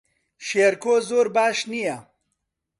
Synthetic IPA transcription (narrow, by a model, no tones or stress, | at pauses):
ʃeːɾkoːzoːɾbaːʃnijɐ